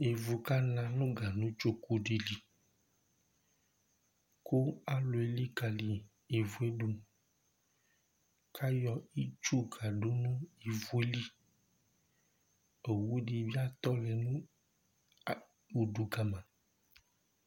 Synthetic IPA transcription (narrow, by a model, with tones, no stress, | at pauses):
e˨vu˨ka˦nã˨nũ˦ɡa˨nũ˦t͡ʃo˦ku˦ɖe˨li˨ | ko˦a˦lo˨e˨li˦ka˨li˨ | e˨vu˨˦e˦ɖo˦n˦ | kʰa˦jɔ˨i˦t͡ʃu˦ɡa˨ɖo˦nũ˦e˨vu˨e˦li˦ | e˨wu˦ɖi˨bi˦a˦t̪ɔ˦lɛ˨nũ˦˨ | u˨ɖu˨ɡa˨mã˨